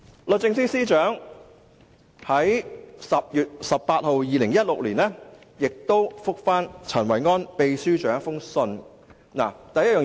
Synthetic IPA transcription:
lɔ˨˧t͡sɪ˧ŋsiː˥siː˥t͡ʃœː˨˥ŋ | hɐ˨˥jsɐ˨p̚jyː˨t̚sɐ˨pːaː˧t̚ho˨wjiː˨lɪ˨˩ŋjɐ˥t̚lʊ˨k̚liː˨˩nlɛː˥ | jɪ˨k̚t̪o˥wfʊ˥k̚faː˥nt͡sʰɐ˨˩nwɐ˨˩jŋɔː˥npe˨jsyː˥t͡ʃœː˨˥ŋfʊ˥ŋsɵ˧n | na̰ː˨˩t̪ɐ˨˧jɐ˥t̚jœː˨˩

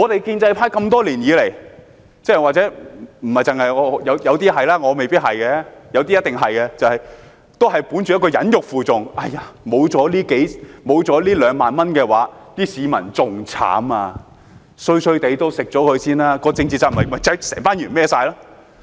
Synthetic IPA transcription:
ŋɔː˨˧t̪e˨jkiː˧nt͡sɐ˧jpʰaː˧˥jkɐ˧mt̪ɔː˥liː˨˩njiː˨˧le˨˩j | t͡sɛː˥˨waː˨k̚t͡sɛː˨˥m̩˨˩hɐ˨jt͡sɪ˨ŋɐ˨jɔː˨˧˨jɐ˨˧wjɐ˨˧wt̪iː˥hɐ˨jlaː˥ŋɔː˨˧me˨jpiː˥t̚hɐ˨jkɛ˧jɐ˨˧wt̪iː˥jɐ˥t̪̚ɪ˨ŋɦɐ˨jkɛ˧t͡sɐ˨whɐ˨j | t̪o˥wɦɐ˨jpu˨˥nt͡ʃy˨˧ɐ˥kɔ˧jɐ̰˨˥njʊ˨k̚fuː˨t͡sʊ˨ŋʔa˧˩jaː˨˩mo˨˧wt͡sɔː˨˥liː˥ke˨˥jmo˨˧wt͡sɔː˨˥liː˥lœː˨˧ŋmaː˨nmɐ˥nkɛː˧wa̰ː˨˥t̪iː˥siː˨˧mɐ̰˨˩nt͡sʊ˨ŋt͡sʰa̰ː˨˥maː˧ | sɵ˧ɥsɵ˧ɥt̪e˨˧jt̪o˥wsɪ˨k̚t͡sɔː˨˥kʰɵ˨˧ɥsiː˥nlaː˥kɔː˧t͡sɪ˧ŋt͡siː˨t͡sa˧m̩˨˩ɦɐ˨˩mɐ˨jt͡sɐ˧˥sɛ̰ː˨˩ŋfaː˥njyː˨˩nmɛː˥saː˧jlaː˥

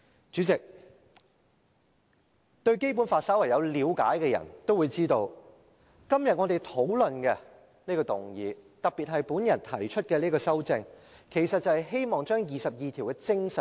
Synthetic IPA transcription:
t͡ʃyː˨˥t͡sɪ˨k̚ | t̪ɵ˧ɥke˥jpu˨˥nfaː˧t̚sɐ˨˥wɐ˨˩jɐ˨˧wliː˨˧wkaː˨˥jkɛː˧jɐ̰˨˩nt̪o˥wu˨˧jt͡siː˥t̪o˧w | kɐ˥mjɐ˨t̚ŋɔː˨˧t̪e˨jt̪ʰo˨˥wlɵ˨nkɛː˧ | niː˥kɔː˧t̪ʊ˨ŋjiː˨˧t̪ɐ˨k̚pi˨t̚ɦɐ˨jpuː˨˥njɐ˨˩nt̪ʰɐ̰˨˩jt͡ʃʰɵ˥t̚kɛː˧liː˥kɔː˧sɐ˥wt͡sɪ˧ŋkʰe˨˩jsɐ˨t̚t͡sɐ˨whɐ˨jɦe˥jmɔː˨ŋt͡ʃœː˥ŋjiː˨˩sɐ˨p̚jiː˨t̪ʰi˨˩wkɛ˧t͡sɪ˥ŋsɐ˨˩

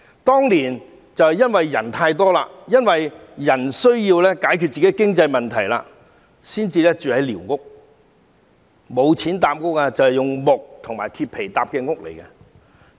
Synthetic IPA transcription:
t̪ɔː˥ŋliː˨˩n | t͡sɐ˨whjɐ˥nwɐ˨jːɐ˨˩nt̪ʰaː˧jt̪ɔː˥la̰ː˧k̚jɐ˥nwɐ˨jjɐ˨˩nsɵ˥ɥjiː˧wlɛː˥kaː˨˥jkʰyː˧t̚t͡siː˨ke˨˥kɪ˥ŋt͡sɐ˧jmɐ˨nt̪ʰɐ˨˩jla̰ː˧ | siː˥nt͡siː˧lɛː˥t͡ʃyː˨hɐ˨˥jliː˨˩wŋʊ˥k̚ | mo˨˧wt͡sʰiː˨˥nt̪aː˧m̚ŋʊ˥k̚aː˧t͡sɐ˨whɛ˨jʊ˨ŋmʊ˨k̚t̪ʰʊ˨˩ŋmaː˨jt̪ʰiː˧p̚ʰe˨˩jt̪aː˨p̚kɛː˧ŋʊ˥k̚lḛ˨˩jkɛ˧

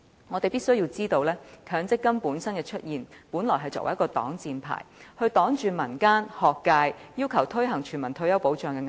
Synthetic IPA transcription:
ŋɔ˨˧t̪e˨˩pi˥tsɵ˥ɥji˧wt͡siː˥t̪o˧wlɛː˥kʰœː˨˥ŋt͡sɪ˥kːɐ˥mpuː˨˥nsɐ˥nkɛː˧t͡ʃʰɵ˥t̚jiː˨˩npuː˨˥nlɔː˨˩jɦɐ˨jt͡sɔː˧k̚wɐ̰˨˩jkːɔː˧t̪ɔ̰ː˨˥ŋt͡siː˧npʰa̰ː˨˩jhɵ˧ɥt̪ɔː˨˥ŋt͡ʃyː˨˧mɐ˨˩nkaː˥nhɔː˨˩kːaː˧jjiː˥wkʰɐ˨˩wt̪ʰɵ˥ɥɦɐ˨˩ŋt͡ʃʰyː˨˩nmɐ˨˩nt̪ʰɵ˧ɥjɐ˥wpo˨˧˥wt͡ʃœː˨ŋkɛː˧ŋ˨

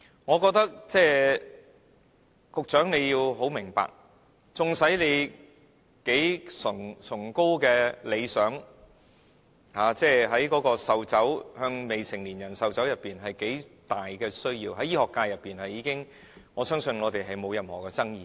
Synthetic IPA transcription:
ŋɔː˨˧k̬ɔː˧k̚t̪ɐ˥k̚t͡sɛː˥˩ | kʊ˨k̚t͡ʃœː˨˥ŋne˨˧jjiː˧wɦo˨˥wmɪ˨˩ŋpa̰ː˨k̚ | t͡sʊ˨˩ŋsɐ˨˥jle˨˧j | ke˨˥jsʊ˨˩ŋsʰʊ˨˩ŋko˥wkɛː˧le˨˧jsœː˨˥ŋ | haː˨t͡sɛː˥ɦɐ˨˥jkɔː˨˥kɔː˧sɐ˨wt͡sɐ˨˥whœː˧ŋme˨jsɪ˨˩ŋliː˨˩njɐ˨˩nsɐ˨wt͡sɐ˨˥wjɐ˨pːiː˨nɦɐ˨jke˨˥jt̪aː˨jkɛː˧sɵ˥ɥjiː˧wɦɐ˨˥jiː˥hɔː˨kːaː˧jɐ˨pːiː˨nhɐ˨jːiː˨˧kɪ˥ŋ | ŋɔː˨˧sœː˥ŋsɵ˧nŋɔː˨˧t̪e˨jɦɐ˨jmo˨˧wjɐ˨mhɔː˨˩kɛ˧t͡sɐ˥ŋjiː˨˧

